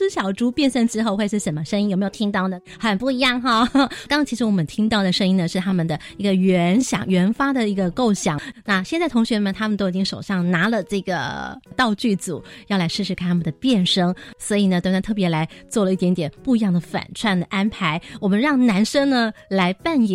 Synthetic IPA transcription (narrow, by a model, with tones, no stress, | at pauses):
ʂ̩˥ɕjɑ˨˩ʊʈ͡ʂu˥pjɛ˥˧nʂə˥ŋʈ͡ʂɻ̩˥xo˥˧ʊxwe˥˧ɪʂ̩˥˩ʂə˨˩nmə˦ʂə˥ŋi˥njm˧˥jo˨˩t̪ʰi˥ŋt̪ɑ˥˩ʊnə˨˩ | xə˨˩npu˥˩i˧˥jɑ˥˩ŋxɑ˥˧kŋt͡ɕʰi˧˥ʂɻ̩˧˥wɔ˨˩mə˦nt̪ʰi˥ŋt̪ɑ˥˩ʊd̪ə˩ʂɤ˥ŋi˥ŋnə˨ʂɻ̩˥˩t̪ʰa˥mə˨nd̪ə˩i˧˥ɡə˧ɥɛ˧˥nɕjɑ̰˨˩ŋɥɛ˧˥nfa˥d̪ə˨i˧˥ɡə˧ko˥˩ʊɕjɑ̰˨˩˦ŋna˥˧ɕjɛ˥˧t͡sa˥˩ɪt̪ʰʊ˧˥ŋɕɥɛ˧˥mə˨nt̪ʰa˥mə˨nt̪o˥ʊi˨˩t͡ɕi˥ŋʂo˨˩ʊʂɑ˥˩ŋna˧˥lə˨ʈ͡ʂɤ˥˩ɡə̰˩t̪ɑ˥˧ʊt͡ɕy˥˩t͡sṵ˨˩˦jɑ˥˩la˧˥ɪʂɻ̩˥˧ʂʰɻ̩˧kʰa˥˩t̪ʰa˥mə˨nd̪ə˩pjɛ˥˩nʂɤ˥ŋswɔ˧˥i˨˩nə˩˧˥na˥t̪ʰɤ˥˩pjɛ˧˥la˧˥ɪt͡swɔ˥˩lə˨i˥˩t̪jɛ˧˥nt̪jɛ˨˩npu˥˩i˧˥jɑ˥˩ŋd̪ə˩fa̰˨˩nʈ͡ʂʰwa˥˩nd̪ə˩ʔa˥npʰa˧˥ɪwɔ˨˩mə˦nɻɑ˥˩ŋna˧˥nʂɤ˥ŋnə˨la˧˥ɪpa˥˩ni˨